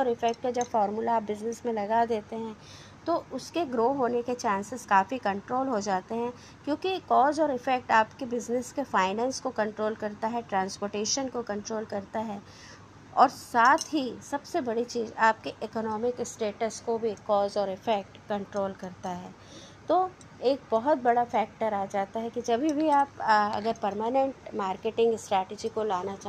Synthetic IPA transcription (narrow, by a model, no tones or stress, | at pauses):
ɔːɾɪfɛk̚ʈ̚kad͡ʒɐbfɔːɾmulaːp̚bɪznɪsmẽlɐɡad̪eːt̪eɦɛ̃ː | t̪oʊskeɡɾoːɦoːneket͡ʃãːnsɪzkaːfikɐ̃ɳʈɾoːlɦod͡ʒaːt̪eɦɛ̃ | kjõːkikɔːzɔːɾɪfɛk̚ʈaːpkebɪznɪskefaːɪnɛ̃ːnskokɐ̃ɳʈɾoːlkɐɾt̪aɦɛʈɾãːnspoːɾʈeːʃənkokɐ̃ɳʈɾoːlkɐɾt̪aɦɛː | ɔːɾsaːt̪ʰɦisɐbsebɐɽit͡ʃiːzaːp̚keʔɪkɔnɔːmɪksʈeːʈəskobʱikɔːzɔːɾɪfɛk̚ʈkɐ̃ɳʈɾoːlkɐɾt̪aɦɛː | t̪o | eːk̚bɐɦʊt̪̚bɐɽafɛːk̚ʈəɾaːd͡ʒaːt̪aɦɛkid͡ʒɐbʱibʱiaːpɐ̰ɡəɾpɐɾmaːnɛ̃ɳʈmaːɾkeʈɪ̃ŋɡɪsʈɾɛːʈɪd͡ʒikolaːnat͡ʃa